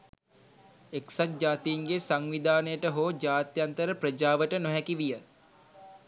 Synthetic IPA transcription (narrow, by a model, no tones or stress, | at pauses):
eksat̪̚d͡ʒaːt̪iːŋɡesaŋʋid̪aːnəjəʈəɦoːd͡ʒaːt̪jant̪əɾəpɾəd͡ʒaːʋəʈənoɦɛkiʋijə